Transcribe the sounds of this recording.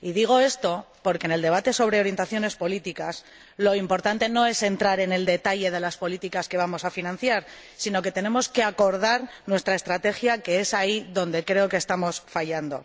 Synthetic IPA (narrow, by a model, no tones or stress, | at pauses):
iðiɣ̞o̞e̞st̪o̞ | po̞ɾkeneld̪e̞β̞at̪e̞so̞β̞ɾe̞o̞ɾje̞nt̪aθjo̞ne̞spo̞lit̪ikas | lo̞impo̞ɾt̪ant̪e̞no̞e̞se̞nt̪ɾaɾe̞ne̞ld̪e̞t̪aʎe̞ð̞e̞laspo̞lit̪ikaske̞β̞amo̞safinãn̟θjaɾ | sino̞ke̞t̪e̞ne̞mo̞ske̞ako̞ɾð̞aɾnwe̞st̪ɾaest̪ɾat̪e̞xjake̞e̞saiðo̞nd̪e̞kɾe̞o̞kest̪amo̞sfaʝand̪o̞̰